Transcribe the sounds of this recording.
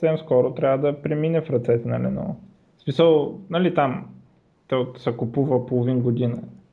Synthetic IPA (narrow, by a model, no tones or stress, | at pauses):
sɛmskɔɾot̪ɾʲavəd̪ɐpɾɛminɛfɾɐt̪sɛt̪ɛnɐlɛnɔ̰ | smisəlˠnɐlit̪am | t̪ɔsɛkʊpuvəpolˠovinɡod̪inə